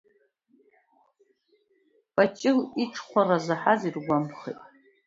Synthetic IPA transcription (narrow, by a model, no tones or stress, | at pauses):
pʼat͡ʃʼɪliʈ͡ʂʰχʷʰarazaħazirɡʷamχḛjtʼ